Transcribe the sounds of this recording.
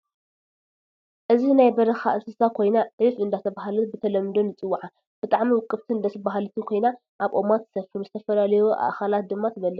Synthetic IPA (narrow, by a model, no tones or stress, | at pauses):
ʔɨzinajbɐɾɐxa̰ʔsɨsakʰo̞jnaʕɨfɨnd̪at̪ʰɐβaɦalubɨt̪ʰɐlɐmɨd̪onɨt͡sʼɨwːuʕa | b̥ɨt̪ʼaʕmiwʊkʼːɨβt̪ʰɨɨnd̪at̪ʰɨbaɦalut̪ʰɨnkʰo̞jna | ʔaβʔo̞mat̪sɐfɨɾuzɨt̪ʰɐfɐlalɐjoʔa̰ʔkʰalat̪̚d̪ɨmːat̪ʰɨβɐlːɐ